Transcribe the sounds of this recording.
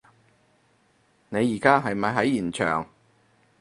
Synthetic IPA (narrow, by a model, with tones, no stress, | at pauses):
ne˨˧jiː˨˩kaː˥ɦɐ˨jmɐ˨jɦɐ˨˥jːiː˨˩nt͡ʃʰœ̰ː˨˩ŋ